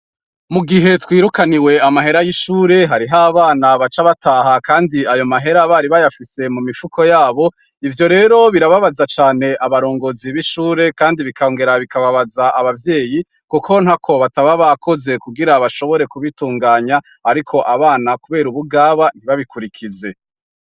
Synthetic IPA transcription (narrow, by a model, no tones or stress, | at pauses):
muɡiɦe̞twiːɾukaniwe̞amaɦe̞ɾajiʃuːɾe̞ɦaɾiɦaβaːnaβat͡ʃaβataːɦakaːndiajo̞maɦe̞ɾaβaːɾiβajafise̞mumifukʰo̞jaːβo̞ | ivjo̞ɾe̞ːɾo̞βiɾaβaβazat͡ʃaːne̞ʔaβaɾo̞ːŋɡo̞ziβiʃuːɾe̞kaːndiβikaoːŋɡe̞ɾaβikaβaβazaʔaβavje̞ːji | kukʰo̞nhakʰo̞βataβaβakʰo̞ze̞kuɡiɾaβaʃo̞βo̞ɾe̞kuβituːŋɡaːɲa | aɾikʰo̞ʔaβaːnakuβe̞ːɾuβuɡaːβan̥hiβaβikuɾikʰize̞